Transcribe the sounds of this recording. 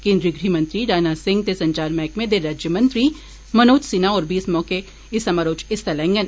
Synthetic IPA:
kẽːnd̪ɾiːɡɾimɐ̃nt̪ɾiɖaːnasɪ̃ŋɡ̚t̪esɐ̃ɲt͡ʃaːɾmɛ̃ːkmẽd̪eɾːaːd͡ʒjəmɐ̃nt̪ɾi | mɐnoːt͡ʃsinaɔːɾbiːsmɔːke | ɪsɐmaːɾoːt͡ʃɪst̪ɐlɛ̃ːŋɡən

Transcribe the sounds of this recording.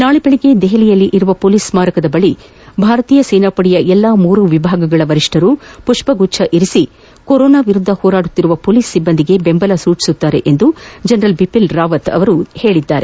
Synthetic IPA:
naːɭibɐɭiɡe̞d̪eɦelijɐlːiʔiɾuʋɐpoːliːsmaːɾɐkɐd̪ɐbɐɭi | bʱaːɾɐt̪iːjɐseːnaːpɐɽijɐʔɛlːaːmuːɾuʋibʱaːɡɐɡɐɭɐʋɐɾiʂʈʰɐɾupuʂpɐɡut͡ʃʰːɐʔiɾisi | koɾɔːnaːʋiɾud̪ʱːɐhɔːɾaːɽut̪ːiɾuʋɐpoːliːsːibːɐnd̪iɡe̞bembɐlɐsuːt͡ʃi̥sut̪ːaːɾe̞ʔend̪ud͡ʒɐnɾɐlbipilɾaːʋɐt̪ɐ̰ʋɐɾuhe̞ːɭid̪ːaːɾe̞

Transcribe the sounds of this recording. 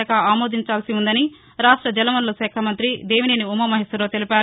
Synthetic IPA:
ɐkɐaːmo̞ːd̪iɲt͡ʃaːlsiund̪ɐni | ɾaːʂʈɾɐd͡ʒɐlɐʋɐnlusɛːkʰɐmɐnt̪ɾid̪e̞ːʋineːniumɐmɐɦesɐɾoːt̪elipaːɾ

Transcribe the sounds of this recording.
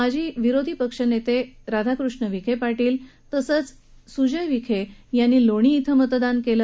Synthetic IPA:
ad͡ʑʱiːʋiɾod̪ʱipəkʂənet̪eɾad̪ʱakɾuʂɳəʋikʰepaʈiːlt̪əsət͡s | sud͡ʑəjʋikʰejanːiːloɽ̃iːt̪ʰəmət̪d̪ankelə

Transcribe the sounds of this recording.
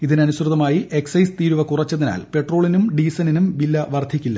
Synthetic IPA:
iðinɐnuɕrɨðɐmaːjiʔe̞ksɐjst̪iːɾuʋɐkurɐt͡ɕːɐðina̰ːlpe̞ʈro̞ːɭinumɖiːsɐninumʋilːɐʋɐrd̪ʱikʲːilːɐ

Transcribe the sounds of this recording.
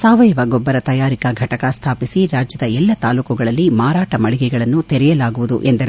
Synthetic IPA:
saːʋɐjɐʋɐɡɔbːɐɾɐt̪ɐjaːɾikɐɡʱɐʈɐkɐst̪ʰaːpisiɾaːd͡ʒjɐd̪ɐɛlːɐt̪aːluːkuɡɐɭɐlːimaːɾaːʈɐmɐɭiɡɛɡɐɭɐnːut̪ɛɾɛjɐlaːɡuʋud̪ṵʔend̪ɐɾ

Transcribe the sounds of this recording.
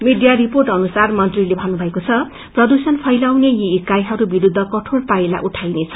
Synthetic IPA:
miɖijariporʈʌnusarmʌnt̪rilebʱʌnːubʱʌekot͡sʰʌ | prʌd̪usʌnpʰʌjlawnejiːkajɦʌɾubiɾud̪ʱːʌkʌʈʰoɽpajla̰ʔuʈʰajnet͡sʰʌ̥

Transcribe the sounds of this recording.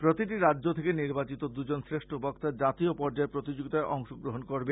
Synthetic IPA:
pɾot̪iʈiɾadːʑot̪ʰekeniɾbat͡ɕit̪od̪ud͡ʑonsɾeʃʈʰobɔkt̪ad͡ʑat̪iopɔɾd͡ʑaepɾot̪id͡ʑoɡit̪aeʔɔŋʃoɡɾoɦonkoɾbe

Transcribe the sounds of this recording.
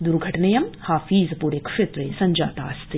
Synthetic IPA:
d̪uɾɡʱɐʈɐnɐjɐmhaːfiːzɐpuːɾekʂet̪ɾɐjsɐɲʲd͡ʒaːt̪aːst̪i

